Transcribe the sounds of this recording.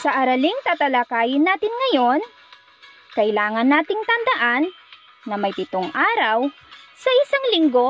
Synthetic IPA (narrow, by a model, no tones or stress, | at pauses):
sɐʔɐɾɐliŋt̪aːt̪ɐlakaːjɪnːaːt̪ɪnŋɐjo̞n | kɐʔɪlaːŋɐnːaːt̪ɪŋt̪ɐnd̪ɐʔanː | ɐmɐjpɪt̪oŋʔaːɾɐw | sɐʔɪsaŋlɪŋɡo̞